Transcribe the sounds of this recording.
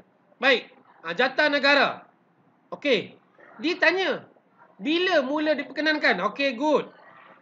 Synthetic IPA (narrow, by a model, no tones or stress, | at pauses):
baik̚ | ad͡ʒat̪anəɡaɾa̰ | oke | diət̪aɲə | biləmũlədipəkənãnkanokeɡut̚